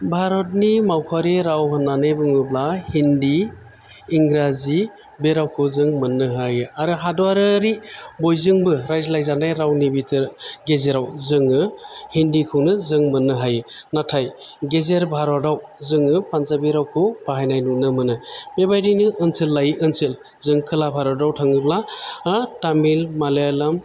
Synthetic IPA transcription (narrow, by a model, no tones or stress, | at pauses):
bʱaɾɔt̚nimawkʰaɾiɾawɦanːanɯjbɯŋɯblahindiː | ŋɾazi | beɾawkʰɯwzɯŋmɯnːɯɦajɯaɾɯɦadɔaɾɯɾibojzɯŋbɯɾajzlajzanajɾawnibitʰɯɾɡezeɾawzɯŋɯhindikʰɯwnɯzɯŋmɯnɯɦajɯnatʰaj | ɡezeɾbʱaɾadawzɯŋɯpanzabiɾawkʰɯwpaɦajnajnunɯmɯnɯmebajdɯjnɯʔːnselːajiʔɯnsel | zɯŋkʰɯlabʱaɾawdawtʰaŋɯblaː | tamilmalejalam